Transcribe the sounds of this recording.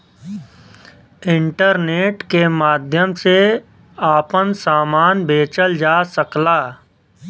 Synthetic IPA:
ɪ̃ɳʈəɾneːʈkemaːd̪ʱjəmse | aːpənsaːmaːnbeːt͡ʃəld͡ʒaːsəklaː

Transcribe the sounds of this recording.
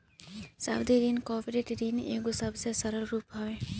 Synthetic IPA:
sa̰ːwd̪iɾiːnkɔːpɾeʈɾiːnḛːɡosɐbsesɐɾəlɾuːpɦaʋeː

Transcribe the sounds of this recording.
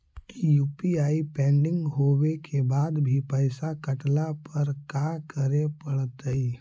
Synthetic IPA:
ijuːpiaːipɛ̃ːɳɖɪ̃ŋɡɦoːwekʰebaːd̪bʱipəɪsakəʈlapəɾkakəɾepəɽt̪əi

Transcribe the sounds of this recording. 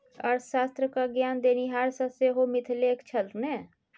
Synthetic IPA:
ɔ̰ːɾʃaːst̪ɾəkaɡjaːnd̪eːniɦaːɾsəseɦomɪt̪ʰleːkt͡ʃʰəlt̪neː

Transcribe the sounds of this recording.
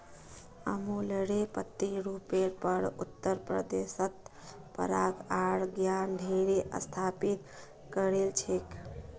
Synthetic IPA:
əmuləɽepət̪ːiɾupeɾpəɽʊ̰t̪ːəɾpɾə̰d̪esət̪pə̰ɾaːɡaːɽɡjaːnɖʱeɾeʔə̰st̪ʰaːpit̪ | kəɾelt͡ʃʰek

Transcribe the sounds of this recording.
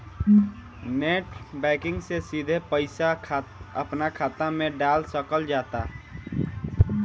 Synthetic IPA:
neːʈbɛːkɪ̃ŋɡsesid̪ʱepəɪsaəpnakʰaːt̪amẽɖaːlsəkəld͡ʒaːt̪a

